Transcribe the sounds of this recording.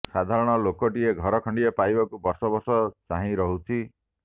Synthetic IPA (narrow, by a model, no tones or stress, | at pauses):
sad̪ʱaɾɔɽ̃ɔlokɔʈieɡʱɔɾɔkʰɔɳɖiepajbakubɔɾsɔbɔɾsɔt͡ʃaɦĩɾɔɦutʰi